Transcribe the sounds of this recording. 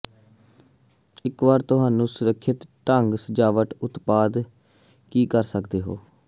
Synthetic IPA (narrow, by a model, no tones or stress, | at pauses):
ɪkʋaːɾt̪ʊɦaːnũːsʊɾəkʰːɪt̪ʈəŋɡsəd͡ʒaːʋəʈʊt̪paːd̪ | kiːkəɾsəkd̪eːɦo̰ː